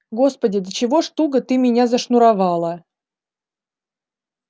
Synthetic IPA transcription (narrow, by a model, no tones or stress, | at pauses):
ɡo̞spədʲɪd̪ət͡ɕɪvo̞ʂt̪uɡət̪ɨmʲɪnʲazəʂnʊɾɐvɑlˠə